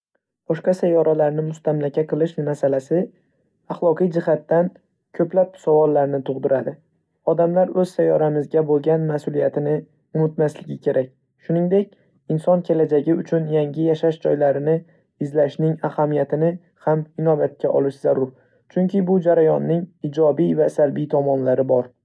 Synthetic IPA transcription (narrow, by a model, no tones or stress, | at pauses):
b̥ɒʃqɑsajɒɾʔalaɾnɪmʊst̪ʰamlakʲʰaqʰɨlˠɪʃmasalasɪ | aχlˠɒqɨijd͡ʒɪhat̪ːan | kʲʰɵplap̚sɒvɒlːaɾnɪt̪ʰʊʁd̪ɪɾad̪ɪ | ɒd̪amlaɾɵz̥sajɒɾamɪzɡʲabolˠɡʲanmasʊlijat̪ʰɪnɪ | ʊmɪt̪maslɪɡʲɪkʲʰe̞ɾʔakʲ | ʃʊnɪŋd̪e̞kʲ | ɪnsɒnkʲʰe̞lad͡ʒaɡʲɪʊt͡ʃʰʊnjaŋʲɪjaʃaʃd͡ʒɒjlaɾɪnɪ | ɪzlaʃnɪŋahamijat̪ʰɪnɪ | hamɪnɒbat̪̚kʲaʔɒ̰lɪʃz̥aɾʊɾ | t͡ʃʰʊŋkʲʰɪbʊd͡ʒaɾajɒnːɪŋɪd͡ʒɒbijvasalbijt̪ʰɒmɒnlaɾɪbɒɾ